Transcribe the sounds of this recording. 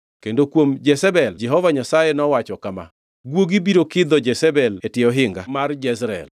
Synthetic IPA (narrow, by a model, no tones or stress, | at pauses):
kendokwomd͡ʒɛsɛbɛld͡ʒɛɦɔvaɲasajenɔwat͡ʃɔkama̰ | ɡwoɡibiɾokɪd̪ɔd͡ʒɛsɛbɛletjeɔɦɪŋɡamard͡ʒɛsɾɛ̰l